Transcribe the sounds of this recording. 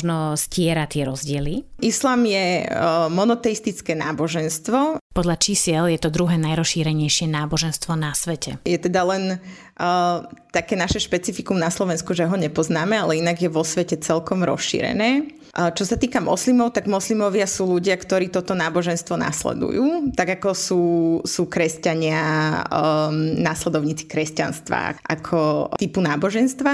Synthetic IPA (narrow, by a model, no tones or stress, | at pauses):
ʒnɔscɪɛɾat̪ɪɛɾɔzɟɪɛliislaːmjɛmɔnɔt̪ɛist̪it͡skɛːna̰ːbɔʒɛnst̪ʋɔpɔd̪ʎat͡ʃiːsiɛljɛt̪ɔd̪ɾuɦɛːnajɾɔsʃiːɾɛɲɛjʃɪɛnaːbɔʒɛnst̪ʋɔnasʋɛcɛ̰jɛt̪ɛd̪alɛn | t̪akɛːnaʃɛʃpɛt͡sifikumnaslɔʋɛnskuʒɛɦɔɲɛpɔznaːmɛalɛinaɡjɛʋɔsʋɛcɛt͡sɛlkɔmɾɔ̰sʃḭːɾɛ̰nɛː | t͡ʃɔsat̪iːkamɔ̰slimɔʊt̪aɡmɔslimɔʋɪasuːluɟɪakt̪ɔɾiːt̪ɔt̪ɔnaːbɔʒɛnst̪ʋɔna̰slɛ̰d̪ṵjuːt̪aɡakɔsuːsuːkɾɛscaɲɪa | naslɛd̪ɔʊɲiːt͡si̥kɾɛscanst̪ʋa̰a̰ʔa̰kʰɔt̪ipunaːbɔʒɛnst̪ʋa